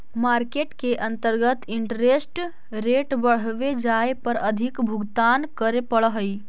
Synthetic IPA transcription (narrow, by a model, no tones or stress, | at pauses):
maːɾkeːʈkeʔə̃nt̪əɾɡət̪ɪɳʈɾesʈ | ɾeːʈbəɽ̤ʋed͡ʒaːepəɾəd̪ʱɪkbʱʊɡt̪aːnkəɾepəɭəɦəi